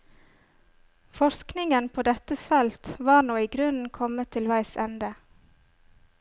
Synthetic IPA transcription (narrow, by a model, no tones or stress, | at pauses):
fɔɾsknɪŋənpʰoːd̪ɛt̪əfɛlt̪ʋɑːɾnoːiːɡɾʉnn̩kʰɔmət̪ʰɪlʋæɪsɛnd̪ə